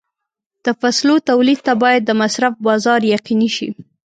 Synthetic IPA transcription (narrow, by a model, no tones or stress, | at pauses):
d̪̥əfaslot̪awlid̪̚t̪abɑjad̪ːəmasɾafbɑzɑɾjaqiniʃḭ